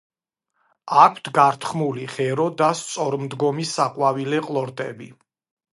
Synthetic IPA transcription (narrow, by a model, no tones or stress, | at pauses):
akʷʰt̪ʰɡaɾt̪ʰχmuliχɛɾɔd̪ast̪sʼɔɾmd̪ɡɔmisaqʼwavilɛqʼlˠɔɾt̪ʼɛ̰bi